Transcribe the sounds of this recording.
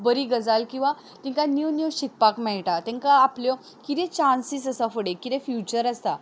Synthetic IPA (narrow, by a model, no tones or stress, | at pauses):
bəɾiɡəd͡zalkĩw̃ʋa | t̪ĩŋkanjuwnjuɕik̚pakmɛɭʈat̪ɛ̃ŋkaːpljɔ | kit̪ɛ̃t͡ɕansisəsafəɽekit̪ɛ̃fjut͡ɕəɾəst̪a